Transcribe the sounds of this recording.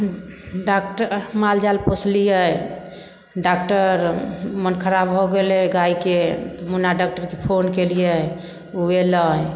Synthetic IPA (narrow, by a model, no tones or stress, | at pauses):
ɖakʈəɾmald͡ʒalpot͡ʃʰlijə | ɖak̚ʈəɾmənkʰəɾabɦɔɡelɛɡaiket̪ɔmunaɖak̚ʈəɾkepʰonkelijə | ueləj